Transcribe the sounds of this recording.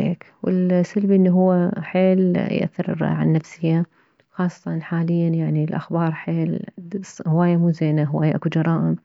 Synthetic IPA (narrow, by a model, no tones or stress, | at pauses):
ḛːkwɪ̰lsalbʔɪnːiɦʊwːaħeːljɪ̰ʔa̰θːɪɾ̰ˤʕa̰nːafsɪja | xɑːsˤːɑ̥t̪ɑnħaːlɪjːanjaʕnilʔaxbɑːɾˤħeːl | hʊwaːjːamuːzeːnaɦʊwa̰ːjaʔakud͡ʒɑɾˤɑːʔɪm